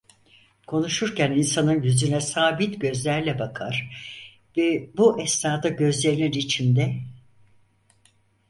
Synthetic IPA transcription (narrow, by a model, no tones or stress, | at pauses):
kʰo̞nuʃuɾcæninsanɯnjyzynɛsaːbit̪ɟø̞zlʲæɾlʲɛbakʰa̰ɾ̥ | vɛbuʔɛsnaːd̪aɟø̞zlʲeɾininit͡ʃʰind̪ɛ